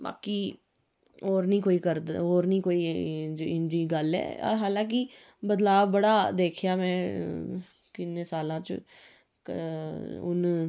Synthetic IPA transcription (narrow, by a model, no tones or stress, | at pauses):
ba̰ːkiː | oːɾnĩːkoːiːkəɾoːɾnĩːkoːiːd͡ʒɪnd͡ʒiːɡəlɛ̰ːɦaːlãːk̬i | bəd̪laːbbəɽaːd̪eːkʰjaːmɛ̃ː | kɪnːeːsaːlãːt͡ʃ | ʊ̰n